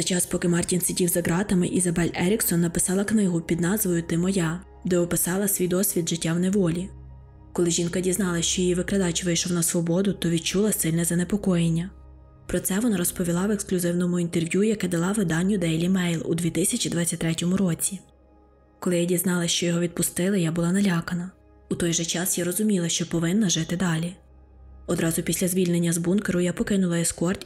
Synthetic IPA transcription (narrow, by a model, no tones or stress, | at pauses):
zɐt͡ʃɑspɔkɪmɑrtʲinsɪdʲiwzɐɡɾɑt̪ɐmɪʔizɐbɛlʲɛɾʲiksɔnːɐpɪsɑlˠɐknɪɦʊpʲid̪nɑzʋɔjʊt̪ɪmɔjɑ | d̪ɛɔpɪsɑlˠɐsʲʋʲijd̪ɔsʲʋʲid̪ʒɪtʲːawneʋɔlʲi | kɔlˠɪʒʲinkɐdʲiznɑlˠɐʃt͡ʃɔjijiʋɪkɾɐd̪ɑt͡ʃʋɪjʃɔwnɐsʋɔbɔd̪ʊt̪ɔʋʲid̪̚t͡ʃulˠɐsɪlʲnɛzɐnepɔkɔjenʲːɐ | pɾɔt̪sɛʋɔnɑɾɔspɔʋʲilˠɑʋeksklʲʊzɪwnɔmʊint̪erʋʲjujɐkɛd̪ɐlˠɑʋɪd̪ɑnʲːʊd̪ɛjlʲimɛjlˠṵd̪ʋʲit̪ɪsʲɐt͡ʃʲid̪ʋɑt͡sʲːɐt̪ʲːɾɛtʲɔmʊɾɔt͡sʲi | kɔlˠɪjɐdʲiznɑlˠɐʃt͡ʃɔjɔɦɔʋʲid̪̚pʊst̪ɪlˠɪjabʊlˠɑnɐlʲɑkɐnɐ | ut̪ɔjʒɛt͡ʃɑsjaɾɔzʊmʲilˠɐʃt͡ʃɔpɔʋɪnːɐʒɪt̪ɪd̪ɑlʲi | ɔd̪ɾɑzʊpʲisʲlʲɐzʲʋʲilʲnenʲːɐzbunkeɾʊjapɔkɪnʊlˠɐɛskɔrtʲ